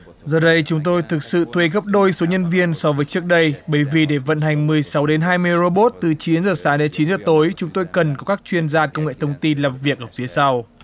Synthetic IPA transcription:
zəː˨˩ɗə˧jt͡ɕʊ˨˦ŋ͡mt̪o˧jt̪ʰɨ˨˩k̚sɨ̰˧˨t̪ʰwe˧ɣə˦˥p̚ɗo˧jso˨˦ɲə˧nvi˧ənsɔ˧vəː˨˦jt͡ɕɨ˦˥ək̚ɗə˧jɓə˧˩jvi˨˩ɗe˧˩və̰˧˨nɦa˨˩jŋ̟mɨ˨˩əjsa˨˦wɗe˨˦nɦaː˧jmɨ˧əjzo˧ɓo˦˥t̚t̪ɨ˨˩t͡ɕi˨˦nzəː˨˩saː˨˦ɗe˨˦nt͡ɕi˨˦nzəː˨˩t̪o˨˦jt͡ɕʊ˨˦ŋ͡mt̪o˧jkə˨˩nkɔ˨˦kaː˦˥k̚t͡ɕwi˧ənzaː˧kə˧wŋ͡mŋḛ˧˨t̪ʰə˧wŋ͡mt̪i˧nlaː˨˩mvi˨˩ək̚ʔəː˧˩fi˨˦əsa˧w

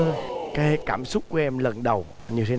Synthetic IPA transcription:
kaː˨˦jhe˦kaː˧˩msʊ˦˥k͡p̚ku˧˩˦ʔɛ˧mlə˨˩nɗə˨˩w | ɲi˨˩ət̪ʰe˦

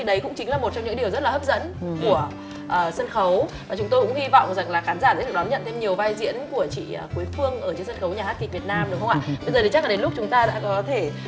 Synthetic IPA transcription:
i˨˩ɗə˨˦jkʊ̰˧˥ŋ͡mt͡ɕï˨˦ŋ̟laː˨˩mo˨˩t̚t͡ɕɔ˧ŋ͡mɲɨ̰˧˥ŋɗi˨˩əwzə˦˥t̚la˨˩həː˦˥p̚zə̰˧˥nku˧˩ə | ʔəː˨˩sə˧nxə˨˦w | aː˨˩t͡ɕʊ˨˦ŋ͡mt̪o˧jkʊ̰˧˥ŋ͡mhwi˧vɔ̰˧˨wŋ͡mza˨˩ŋlaː˨˩xaː˨˦nzaː˧˩zə̰˧˥lɨ˨˩nɔ˨˦ɲə̰˧˨nt̪ʰe˧mɲi˨˩əwvaː˧jzḭ˧˥ənku˧˩ət͡ɕḭː˧˨˩ku˨˦əjfɨ˧əŋʔəː˧˩t͡ɕə˧nsə˧nxə˨˦wɲaː˨˩haː˦˥ki˨˩k̚vi˨˩ət̚naː˧mɗʊ˨˦wxə˧ŋ͡mʔa̰ː˧˨ɓə˧jzəː˨˩i˨˩t͡ɕa˦˥klaː˨˩ɗe˨˦nlʊ˦˥k͡p̚t͡ɕʊ˨˦ŋ͡mt̪aː˧ɗa̰ː˧˥kɔ˨˦t̪ʰe˧˩

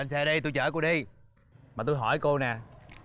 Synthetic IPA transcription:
a˧nsɛː˧ɗə˧jt̪u˧jt͡ɕəː˧˩ku˧˥əɗi˧j | maː˨˩t̪̬u˧jɦɔ˧˩jko˧nɛː˨˩

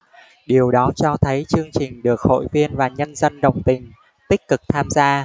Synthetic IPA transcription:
ɗi˨˩əwɗɔ˨˦t͡ɕɔ˧t̪ʰə˨˦jt͡ɕɨ˧əŋt͡ɕï˨˩ŋ̟ɗɨ˨˩ək̚ho̰˧˨jvi˧ənvaː˨˩ɲə˧nzə˧nɗə̰˧˨wŋ͡mt̪ï˨˩ŋ̟ | t̪ï˦˥k̟̚kɨ˨˩k̚t̪ʰaː˧mzaː˧

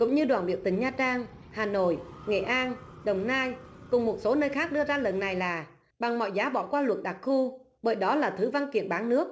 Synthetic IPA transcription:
kʊ̰˧˥ŋ͡mɲɨ˧ɗwaː˨˩nɓḭ˧˨əwt̪ï˨˩ŋ̟ɲaː˧t͡ɕaː˧ŋhaː˨˩no̰˧˨jŋḛ˧˨˩ʔaː˧nɗə˨˩wŋ͡mnaː˧jkʊ˨˩ŋ͡mmo˨˩t̚so˨˦nəː˧jxaː˦˥k̚ɗɨ˧əzaː˧lə˨˩nːa˨˩jlaː˨˩ | ɓa˨˩ŋmɔ̰˧˨jzaː˨˦ɓɔ̰˧˩kwaː˧lwə̰˨˩t̚ɗa˨˩t̚xu˧ | ɓəː˧˩jɗɔ˨˦laː˨˩t̪ʰɨ˨˦va˧nkḭ˧˨ənɓaː˨˦ŋnɨ˦˥ək̚

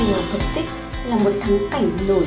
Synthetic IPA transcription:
ŋaː˨˩t̪ʰə˨˩p̚t̪i˦˥k̚ | laː˨˩mo˨˩t̚t̪ʰa˨˦ŋka˨˧˩jŋ̟no˧˩

